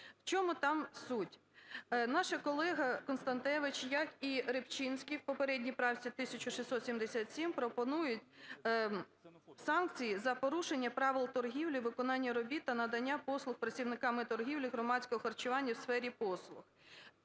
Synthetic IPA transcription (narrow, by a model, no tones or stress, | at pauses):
wt͡ʃɔmʊt̪ɑmsutʲ | nɑʃɐkɔlˠɛɦɐkɔnst̪ɐnt̪ɛʋɪt͡ʃjɐkiɾɪpt͡ʃinʲsʲkʲiwpɔpeɾɛdʲnʲipɾɑwt͡sʲit̪ɪsʲɐt͡ʃʊʃisʲsɔt̪sʲimd̪esʲat̪sʲimpɾɔpɔnujʊtʲ | sɑnk̚t͡sʲijizɐpɔɾuʃenʲːɐpɾɑʋɪlˠt̪ɔrɦʲiwlʲiʋɪkɔnɑnʲːɐɾɔbʲit̪ːɐnɐd̪ɐnʲːapɔslˠʊxpɾɐt͡sʲiwnɪkɑmɪt̪ɔrɦʲiwlʲiɦɾɔmɑt͡sʲkɔɦɔxɐrt͡ʃʊʋɑnʲːɐwsfɛɾʲipɔslˠʊx